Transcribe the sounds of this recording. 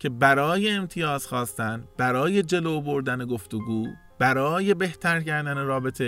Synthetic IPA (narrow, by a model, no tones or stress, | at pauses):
cʰe̞bæɾɒːje̞ːmt̪ʰijɒːz̥xɒːst̪ænd̪bæɾɒːje̞d͡ʒe̞loːboɾd̪æne̞ɡo̞ft̪oɡuː | b̥æɾɒːje̞be̞ht̪ʰæɾcæɾd̪æneɾɒːbe̞t̪ʰe̞